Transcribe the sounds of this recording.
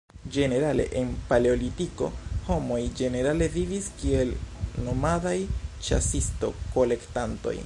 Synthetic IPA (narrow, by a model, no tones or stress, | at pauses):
d͡ʒe̞ne̞ɾale̞̰ʔenpaleolitiko̞̰ho̞mo̞jd͡ʒe̞ne̞ɾale̞viviskie̞lno̞madajt͡ʃa̰sisto̞ko̞le̞ktanto̞̰j